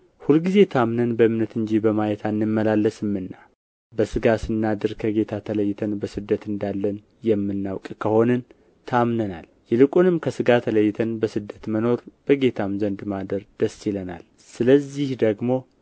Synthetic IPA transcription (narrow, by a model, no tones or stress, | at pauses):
hulɡize̞t̪ʰamnənbəɨmnət̪ɨɲd͡ʒibəmajɛt̪ʰanːɨmːəlalːəsɨmːɨnːa | bəsɨɡasɨnːad̪ɨɾkʰəɡe̞t̪ʰat̪ʰələjːt̪ʰənbəsɨd̪ːət̪ɨnd̪alːən | jɛmːɨnːawkʼkʰəho̞nɨn | t̪ʰamnəna̰l | jɛlɨkʼunɨmkʰəsɨɡat̪ʰələjːt̪ʰənbəsɨd̪ːət̪məno̞ɾb̥əɡe̞t̪ʰamzənd̪mad̪əɾd̪̥əsːiləna̰l | sɨləzːihd̪əɡmo̞